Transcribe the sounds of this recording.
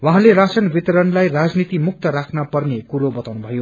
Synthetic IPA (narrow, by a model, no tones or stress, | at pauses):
waɦãleɾasʌnbit̪ʌɾʌnlajrad͡znit̪imuk̚t̪ʌɾakʰnʌpʌrnekuɾobʌt̪awnubʱʌjo